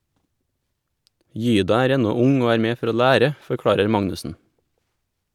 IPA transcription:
ˈjyːdɑ ˈæːɾ ˈɛnɔ ˈʊŋ ˈoː ˈæːɾ ˈmeː ˈfɔɾ ˈoː ˈʎæːɾə fɔɾˈkɽɑːɾəɾ ˈmɑŋnʉsn̩

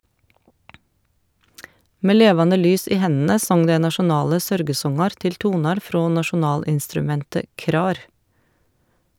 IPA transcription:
ˈmeː ˈleːʋɑnə ˈlyːs ˈiː ˈhɛnə ˈsɔŋ ˈdɛ nɑʃʊˈnɑːlə ˈsœɾɡəˌsɔŋɑɾ ˈtɪl ˈtuːnɑɾ ˈfɾoː nɑʃʊˈnɑːlɪnstɾʉˌmɛntə ˈkɾɑːɾ

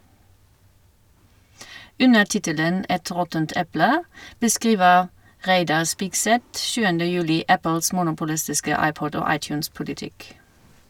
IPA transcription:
ˈʉnə ˈʈɪtələn ˈɛt ˈʁɔtənt ˈɛplə bəˈskʁiːʋəʁ ˈʁæɪdɑʁ ˈspiːkˌsɛt ˈʃʉːəndə ˈjʉːlɪ ˈæpl̩s ˈmuːnʊpʊlɪstɪskə ˈɑɪˌpɔd ˈoː ˈɑɪˌt͡ʃʉːnˌspʊlɪˌtɪk

